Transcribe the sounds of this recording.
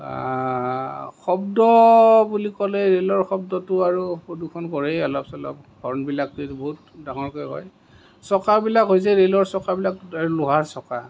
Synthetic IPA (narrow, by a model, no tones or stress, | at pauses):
xɔbdɔbulikɔlɛɹelɔɹxɔb̚dɔtʊaɹupɹodukʰɔnkɔɹɛɔlɔpsɔlɔ̰p̚ | ɡ̥ʱɔɹnbilak̚tetboɦut | daŋɔɹkɔjɦɔ̰j | sɔkaɹbilakɦojs̬ɛɹelɔɹsɔkabilakaɹulʊɦaɹsɔka